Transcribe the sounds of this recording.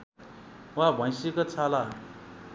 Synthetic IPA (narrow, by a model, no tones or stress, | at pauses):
wabʱʌ̃j̃sekʌt͡sʰala